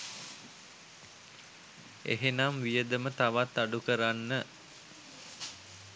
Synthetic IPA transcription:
ḛɦenamʋijəd̪əmət̪aʋat̪ːaɖukəɾanːə

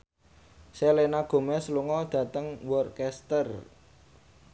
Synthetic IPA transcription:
selenaɡ̥o̤mɛsluŋɔd̪̥ä̤t̪əŋwɔrkɛst̪ər

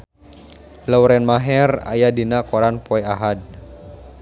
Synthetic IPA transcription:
lawɾɛnmaɦɛra̰jadinakɔɾanpɔɛaɦad̚

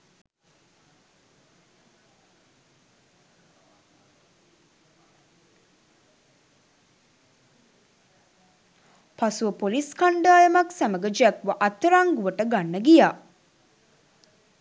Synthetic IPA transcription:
pasuʋəpoliskaɳɖaːjəmaksaməɡəd͡ʒækʋəʔɐt̪ːəɾaŋɡuʋəʈəɡanːəɡijaː

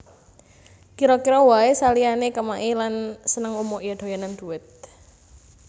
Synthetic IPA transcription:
kiɾɔkiɾɔwaesalianekəmaʔilansənəŋumoʔjad̪̥o̤janand̪̥ṳwɪt̪̚

